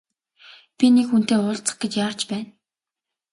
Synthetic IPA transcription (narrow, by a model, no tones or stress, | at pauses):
pʲinekxun̥t̪eːʊːɮt͡sə̥̆χɡ̥et͡ɕjaːrt͡ɕpæːn